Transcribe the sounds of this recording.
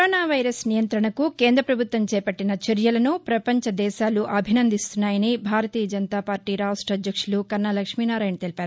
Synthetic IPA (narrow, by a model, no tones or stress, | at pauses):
oːnaːʋɐjɾɐsnijɐnt̪ɾɐɳɐkukeːnd̪ɾɐpɾɐbʱut̪ʋɐmt͡ʃɛːpɐʈːinɐt͡ʃɐɾjɐlɐnupɾɐpɐɲt͡ʃɐd̪ɛːʃaːluʔɐbʱinɐnd̪ist̪unːaːjɐnibʱaːɾɐt̪iːjɐd͡ʒɐnt̪aːpaːɾʈiːɾaːsʈɾɐd̪ʱjɐkʂulukɐnːɐlɐkʂmiːnaːɾaːjnɐt̪elipaːɾu